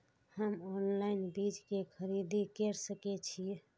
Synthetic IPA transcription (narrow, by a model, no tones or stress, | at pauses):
həmonlainbid͡ʒkekʰəɾid̪ʱikeɾsəket͡ʃʰi